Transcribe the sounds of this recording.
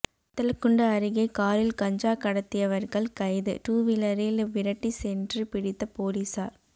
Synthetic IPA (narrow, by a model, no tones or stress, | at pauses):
t̪ːɐlɐkːɯɳɖɐːɾɯɣɐɪkaːɾɪlkɐɲd͡ʒaːkɐɽɐt̪ːɪjɐʋɐɾɣɐɭkɐɪðɯ̰ʈuːʋɪlɐɾɪlʋɪɾɐʈːisɛndrɯpɪɽɪt̪ːɐpoːɾisaːɾ